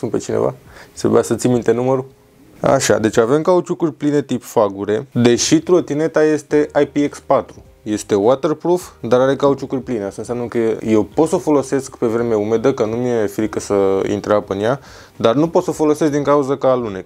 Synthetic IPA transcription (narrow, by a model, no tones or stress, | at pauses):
sunt̪pe̞t͡ʃinḛva̰t̪ɾebṵjasət̪simint̪e̞numəɾu | a̰ʃa̰d̪e̞t͡ʃʲave̞mkaut͡ʃukurʲpline̞t̪ipfaɡuɾe̞d̪e̞ʃit̪ɾot̪ine̞t̪aje̞st̪e̞ʔajpiekspat̪ɾu | je̞st̪e̞wat̪e̞rpɾofd̪aɾaɾe̞kaut͡ʃukurʲpline̞ast̪aɨnsjamnəkəje̞wpo̞t̪səfo̞lo̞se̞skpe̞vɾe̞meume̞d̪əkənumije̞fɾikəsəḭnt̪ɾapɨnja | d̪arnupo̞t̪səfo̞lo̞seskd̪iŋkauzəkalune̞